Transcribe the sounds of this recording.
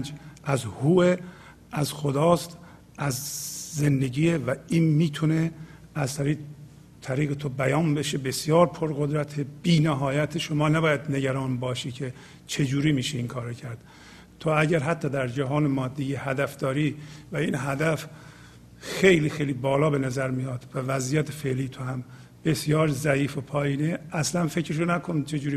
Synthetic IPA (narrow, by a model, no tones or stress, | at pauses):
nd͡ʒʔæzhuːe | æzxod̪ɒːst̪ | ʔæzzend̪e̞ɟiːevæiːnmiːt̪ʰuneæzt̪ʰæɾiː | t̪ʰæɾiːɣet̪ʰobæjɒːnbe̞ʃebe̞sjɒːɾpʰoɾɣod̪ɾæt̪ʰeb̥iːnæɦɒːjæt̪ʰeʃomɒːnæbɒːjæd̪ne̞ɟæɾɒːnbɒːʃiːcʰe | t͡ʃʰe̞d͡ʒuːɾiːmiːʃeiŋkʰɒːɾocʰæɾd̪̥ | t̪ʰoæɟæɾɦæt̪ʰːɒːd̪æɾd͡ʒæɦɒːnemɒːd̪ːijehæd̪æfd̪ɒːɾiːvæinɦæd̪æf | xejliːxejliːbɒːlɒːbe̞næzæɾmijɒːt̪vævæzijæt̪ʰefe̞ʔliːt̪ʰohæm | b̥e̞sjɒːɾzæiːfopʰɒːjiːneʔæslænfecɾeʃ̬onækʰont͡ʃʰe̞d͡ʒuːɾi